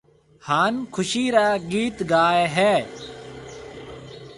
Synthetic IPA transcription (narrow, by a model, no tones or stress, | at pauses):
haːnkʰʊʃiːɾaːɡiːt̪ɡaːeɦɛː